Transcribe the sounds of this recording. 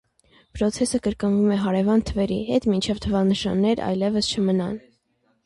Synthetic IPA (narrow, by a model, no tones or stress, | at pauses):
pʰɾɔt͡sʰɛsəkəɾkənvumɛɦɑɾɛvɑnt̪ʰəvɛɾiɦɛt̪mint͡ʃʰɛvt̪ʰəvɑnəʃɑ̰nːɛɾɑ̰jlɛvəst͡ʃʰəmənɑ̰n